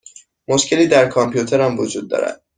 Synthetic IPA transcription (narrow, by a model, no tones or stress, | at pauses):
mo̞ʃcʰe̞liːd̪æɾkʰɒmpʰjut̪ʰeɾæmvod͡ʒuːd̪̚ːɒ̰ːɾæ̰d̪̥̚